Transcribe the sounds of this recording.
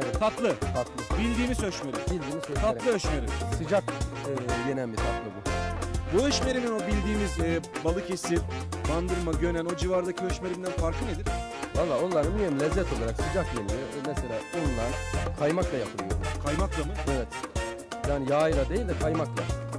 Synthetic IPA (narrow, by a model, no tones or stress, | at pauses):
evɛt̪ʰat̪lˠɯt̪ʰat̪lˠɯbilʲd̪iːmizøʃme̞ɾimbilʲd̪iːmizøt̪ʰatɾlˠɯɦøʃmeɾḭmsɯd͡ʒakː | jenænbit̪ʰat̪lˠɯbubuøʃme̞ɾimino̞bilʲd̪iːmizɛːbalˠɯcʰe̞siband̪ɯɾmaɟø̞næno̞d͡ʒivaɾd̪acʰiøʃme̞ɾimd̪ænfaɾkʰɯne̞d̪iɾ̥ | valˠːaːo̞nlˠaɾɯnmyemlʲɛzːɛt̪ʰo̞lˠaɾaksɯd͡ʒakjenlʲimɛselʲa̰ːonlˠankʰajmaklˠajapʰɯlˠɯjo̰ɾkʰajmaklˠamɯevɛt̪ | jaːnijaːjlˠad̪e̞jilʲd̪ɛkʰajmaklˠa̰